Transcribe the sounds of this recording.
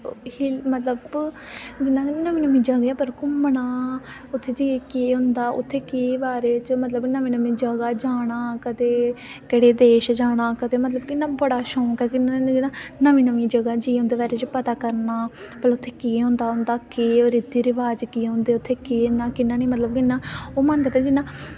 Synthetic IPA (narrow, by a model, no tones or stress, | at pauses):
himət̪ləb | d͡ʒɪnːãːnəʋiːnəmĩːd͡ʒəɡeɛːpəɾkʊmɳaː | ʊt̪ʰːeːd͡ʒiːekeːɦʊ̃nd̪aːʔʊ̰t̪ʰːeːkeːbaːɾeːt͡ʃmət̪ləbnəʋĩːnəmĩːd͡ʒəɡaːd͡ʒaːɽ̃aːkəd̪eːkɪɽeːd̪eːʃd͡ʒaːɽ̃aːkəd̪eːmət̪ləbkɪnːaːbəɽaːʃõːkɛkɪnd͡ʒɪnãːnəʋĩːnəʋĩːd͡ʒəɡaːd͡ʒiːɦʊ̃ːnd̪eːbaːɾeːt͡ʃpət̪aːkəɾnaː | pəlʊt̪ʰːeːkiːɦʊ̃nd̪aːɦʊ̃nd̪aːkeːɾɪd̪iːɾɪʋaːd͡ʒkiːɦʊ̃nd̪eːʊt̪ʰːeːkiːnãːkɪnːãːniːmət̪ləbkɪnːãːoːmənkəd̪ẽd͡ʒɪnːãː